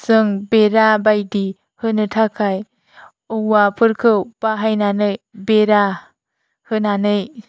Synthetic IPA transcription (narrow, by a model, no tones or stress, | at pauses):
sɯŋbeɾabajdi | hɯnɯtʰakʰaj | ɯwapʰɯɾkʰɯwb̥aɦajnanɯjbeɾa | hɯnanɯj